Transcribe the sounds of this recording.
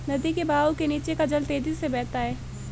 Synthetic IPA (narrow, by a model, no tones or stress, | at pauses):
nɐd̪ikebaːokeniːt͡ʃekad͡ʒɐlt̪eːd͡ʒisebɛːt̪aɦɛː